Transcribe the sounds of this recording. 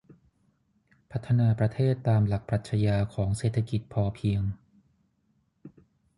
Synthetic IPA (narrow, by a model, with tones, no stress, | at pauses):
pʰa˦˥t̪ʰːa˧naː˧pɾa˧t̪ʰeː˥˩t̪ːaː˧mla˨˩k̚pɾaː˨˩t̪̚t͡ɕʰa˧jaː˧kʰɔː˩˦ŋseː˨˩t̪ʰːa˧ki˨˩t̪̚pʰɔː˧pʰi˧əŋ